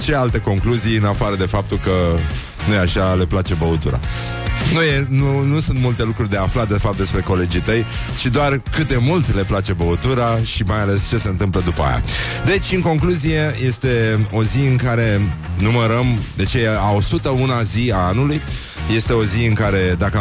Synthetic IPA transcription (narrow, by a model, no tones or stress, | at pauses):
t͡ʃealt̪əko̞ŋkluziɨnafaɾəd̪e̞fap̚t̪ulkə | nujeaʃale̞plat͡ʃe̞bəut̪uɾa̰ | nuje̞nunusunt̪mult̪e̞lukɾurʲd̪e̞aflatd̪e̞fap̚t̪e̞spɾe̞ko̞le̞d͡ʒit̪əj | t͡ʃid̪oarkɨt̪̚d̪e̞mult̪le̞plat͡ʃe̞bəut̪uɾaʃimajale̞st͡ʃe̞se̞ɨnt̪ɨmpləd̪upəa̰ja̰d̪e̞t͡ʃʲɨŋko̞ŋkluzije̞je̞st̪e̞o̞ziɨŋkaɾe̞numəɾəmd̪e̞t͡ʃeao̞sut̪əunaziaanuluj | je̞st̪e̞o̞ziɨŋkaɾe̞d̪akə